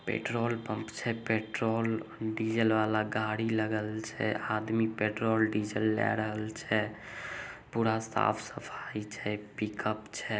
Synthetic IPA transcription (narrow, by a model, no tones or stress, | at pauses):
pḛʈɾolpə̃mpt͡ʃʰɛpeʈɾolɖid͡ʒəlʋalaɡaɽiləɡəlt͡ʃʰɛ̰ad̪mipeʈɾolɖid͡ʒəlːɛ̰ɾəɦəlt͡ʃʰɛ | puɾasa̰pʰsəpʰait͡ʃʰɛpikəpt͡ʃʰɛ